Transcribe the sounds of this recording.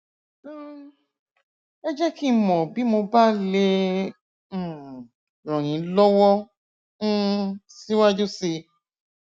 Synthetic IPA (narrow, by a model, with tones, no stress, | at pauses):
ɛ˦d͡ʒɛ˦ki˦mɔ̃˨bi˨˦mo˧ba˦le˧˨ | ɾɔ̃˨j̃ĩ˨˦lɔ˦wɔ̃˦ | si˦wa˦d͡ʒu˦si˧